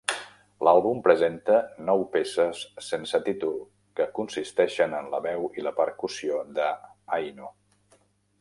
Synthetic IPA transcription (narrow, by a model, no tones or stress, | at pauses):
lalˠβumpɾəzent̪ənɔwpesəsːensət̪it̪ulˠ | kəkunsist̪ɛʃənənləβɛwiləpəɾkusiod̪əajno